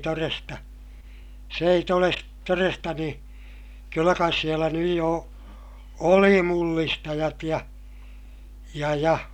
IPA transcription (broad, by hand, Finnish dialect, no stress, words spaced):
torestɑ s ei toles torestɑ niː kylːæ kɑis sielæ nyj jo oli mulːistɑjɑt jɑ jɑ jɑ